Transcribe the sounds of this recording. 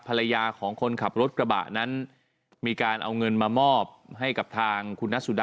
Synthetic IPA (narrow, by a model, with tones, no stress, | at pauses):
pʰa˧la˧jaː˧kʰɔː˩˦ŋkʰo˧nkʰa˨˩p̚ɾo˦˥t̪̚kɾa˧ba̰ː˨˩ʔna˦˥n | miː˧kaː˧nʔa̰˧wŋɤ˧nmaː˧mɔː˥˩p̚ha˥˩jka˨˩p̚t̪ʰaː˧ŋkʰu˧nːa˦˥su˨˩da˧